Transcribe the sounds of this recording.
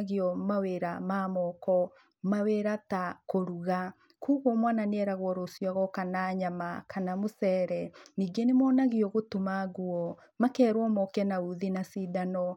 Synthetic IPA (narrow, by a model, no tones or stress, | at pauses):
ɣiɔmaweɾamaːmɔkɔ | maweɾatakoɾuɣa | kuːɣwɔmwananeɛɾaɣwɔɾosjɔɣɔkanaɲamakʰanamosɛːɾɛniːɡenemɔːnaɣiɔɣotumaɣuɔ | makɛːɾwɔmɔkɛnauðinasidanɔ